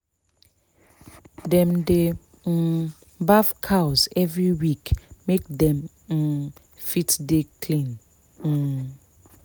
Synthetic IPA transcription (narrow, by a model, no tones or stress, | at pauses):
dɛ̃mde | n̩ | bafkʰawsɛvɹiwikmek̚dɛ̃m̩ | fitdekʰlĩn̩